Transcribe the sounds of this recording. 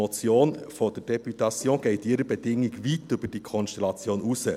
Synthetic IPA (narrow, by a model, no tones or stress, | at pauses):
ɔt͡sjoːnfɔd̥əd̥ɛpytɑt͡sjoːnɡ̥ɛɪtɪɾəbed̥ɪŋiɡʋiːtʏbəd̥iːkʰɔnʃtɛlɑt͡sjoːnusə